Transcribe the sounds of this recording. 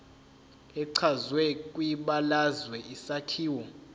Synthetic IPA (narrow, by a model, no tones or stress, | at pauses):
ɛǀʰazwɛk̬ʼwiɓalazwɛʔisatʰiːwɔ